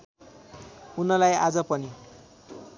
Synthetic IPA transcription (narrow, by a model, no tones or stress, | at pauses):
unʌlaja̰d͡zʌpʌni